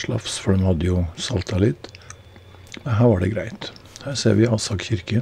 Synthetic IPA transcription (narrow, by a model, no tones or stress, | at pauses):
lɑ̰fsfɔɖɛmhɑd̪əjʊsɑlt̪ʰɑlɪt̪ | mɛnɦæːɾʋɑɖɛ̰ɡɾæɪt̪hæːɾsḛːɾʋɪɑːsɑkçɪɾkə